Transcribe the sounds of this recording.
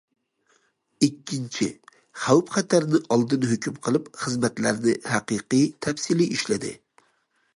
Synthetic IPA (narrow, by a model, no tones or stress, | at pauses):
ikʲːint͡ʃʰɪ | χæwpχæt̪ʰæɾnɪʔɑlˠd̪ɨnhøkʲymqʰəlˠɪpχɨzmɛt̪læɾnɪhæqɨqɨjt̪ʰɛfsiliʔiʃlɪd̪ɪ̰